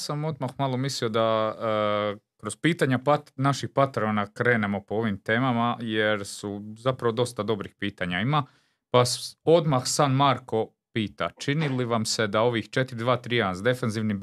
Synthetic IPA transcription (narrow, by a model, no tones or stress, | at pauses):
samo̞d̪maxmalomislio̞d̪a | kɾoz̥piːt̪aɲapatnaʃixpat̪eɾonakɾe̞ːne̞mo̞po̞o̞ʋimt̪e̞ːmamajeɾsuzapɾaʋo̞d̪o̞st̪ad̪o̞bɾixpiːt̪aɲaima | paso̞d̪maxsaːnmaɾko̞ | piːt̪a̰t͡ʃiniliʋamse̞d̪ao̞ʋixt͡ʃe̞t̪iɾid̪ʋaːt̪ɾiːanzd̪e̞fenziʋni